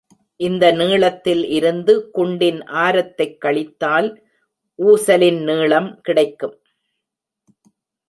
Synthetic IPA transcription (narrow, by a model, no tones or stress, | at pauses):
ʔɪnd̪ɐniːɭɐt̪ːɪlʔɪɾɯnd̪ɯkʊɳɖɪnʔaːɾɐt̪ːɐɪkːɐɭɪt̪ːaːl | ʔuːsɐlɪnniːɭɐmkɪɽɐɪkːɯm